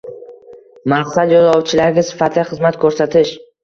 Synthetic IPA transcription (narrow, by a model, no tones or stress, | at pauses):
maqsad̪jɒzɒwt͡ʃʰɪlaɾɡʲasɪ̥fat̪lɪχɨzmat̪kʰɵɾsat̪ʰɪʃ